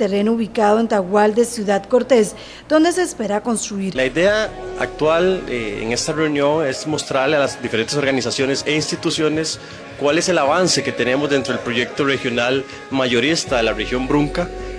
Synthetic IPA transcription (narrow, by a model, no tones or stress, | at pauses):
ere̞nouβikaðoent̪aɣwald̪e̞sjuðaðko̞ɾt̪e̞s | d̪̥o̞nd̪e̞se̞ːspe̞ɾako̞nst̪ɾuiɾlaiðe̞aa̰k̚t̪waleḛŋe̞st̪are̞unjo̞ŋe̞zmo̞st̪ɾaɾlealazd̪ifeɾent̪eso̞ɾɣanisasjo̞ne̞seinst̪it̪usjo̞ne̞s | kwale̞se̞laβanse̞ke̞t̪e̞ne̞mozd̪ent̪ɾo̞elpɾo̞ʝe̞k̚t̪ore̞xjo̞nal | maʝo̞ɾist̪aðe̞larexjo̞mbɾuŋka